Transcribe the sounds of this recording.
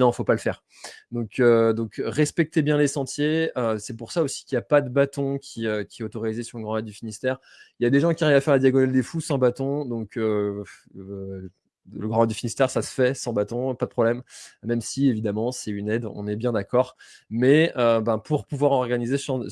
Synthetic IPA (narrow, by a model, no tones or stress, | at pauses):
nɔ̃fopaləfɛːʁ | d̪ɔ̃kʰød̪ɔ̃kʁɛspɛk̚t̪ebjɛ̃lesɑ̃t̪jeøsɛpuʁsaosi̥kʲiljapad̪əbat̪ɔ̃kʲʰiøkʲiɛot̪ɔʁizesyʁlə̃ɡʁɑ̃ɛd̪d̪yfinist̪ɛːʁ | iljad̪eʒɑ̃kʲiaʁivafɛʁlad̪jaɡɔnald̪efusɑ̃bat̪ɔ̃d̪ɔ̃kʰø | ləɡʁɑ̃ɛd̪d̪yfinist̪ɛʁsasə̥fɛsɑ̃bat̪ɔ̃pad̪əpχɔblɛmːɛmsievid̪amɑ̃sɛynɛd̪ɔ̰̃nɛbjɛ̃d̪akɔʁ | mɛøbãpuʁpuvwaʁɔʁɡanizesəʒɑ̃